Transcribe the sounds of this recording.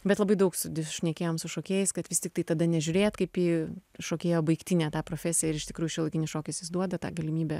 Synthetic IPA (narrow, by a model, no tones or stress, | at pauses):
bʲɛt̪lˠɐbɐɪd̪ɐʊksʊd̪ʲɪʃʲnʲiɛkʲeːjoːmsʊʃoːkʲeːjɛɪskɐt̪ʋʲɪsʲt̪ʲɪkt̪ɐɪt̪ɐd̪ɐnʲɛʒʲʊɾʲeːjɛt̪kɐɪpjiːʃoːkʲeːjoːbɐɪkt̪ʲinʲæːt̪ɑːpɾoːfʲæːsʲɪjɛɪɾɪʃt̪ʲɪkɾuːjʊʃʲiɛlˠɐɪkʲɪnʲɪsʃoːkʲɪsʲjɪsd̪uɔd̪ɐt̪ɑ̰ɡɐlʲɪmʲiːbʲɛ